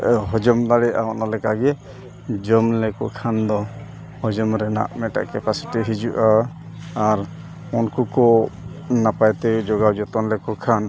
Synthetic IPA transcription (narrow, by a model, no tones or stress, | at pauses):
ɦɔd͡ʒɔmd̪aɽɛʔa̰ɦɔnalɛkaɡɛ | d͡ʒɔmlɛkɔkʰand̪ɔ | hɔd͡ʒɔmɾɛna̰ʔmɛʈa̰ʔkɛpasi̥ʈiɦid͡ʒuʔaː | ɾ | ɔnkukɔ | napajt̪ɛd͡ʒɔɡawd͡ʒɔt̪ɔnlɛkɔkʰan